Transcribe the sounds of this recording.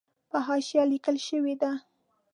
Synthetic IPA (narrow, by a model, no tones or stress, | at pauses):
pəɦɑʃjɑlikəlʃəwed̪a